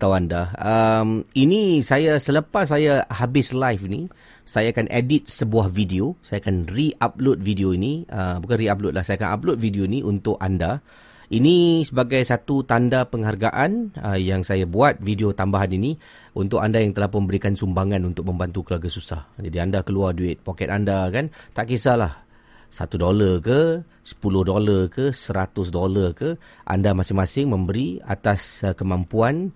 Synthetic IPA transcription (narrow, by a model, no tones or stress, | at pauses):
at̪awandaəminisajasələpasːajahabɪslajfini | sajaːkanʔḛdɪt̪̚səbuahvidiosajakanriʔap̚lʊt̪̚vidioiniəbukanriap̚lʊt̪lahsajakana̰p̚lʊt̪̚vidioiniʔunt̪ʊkanda | inisəbaɡajsat̪ut̪andapəŋɦarɡaʔanəjaŋsajabuat̪̚fidiot̪ambaɦanini | unt̪ʊkandajaŋt̪əlahpʊmbəɾikansumbaŋanunt̪ʊk̚mə̃mbant̪ukəluwarɡasusa̰hd͡ʒadiandakəluarduɪt̪̚pokɛt̪andakant̪aʔkisalah | sa̰t̪udolərkə | sə̥pulʊhdolarkəsəɾat̪ʊs̬dolarkə | ʔa̰ndamasɪŋmasɪŋmə̃mbəɾiat̪askəmampuan